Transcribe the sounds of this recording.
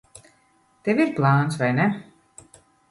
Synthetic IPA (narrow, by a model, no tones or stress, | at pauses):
t̪evʲiɾplˠaːnt̪svajnɛ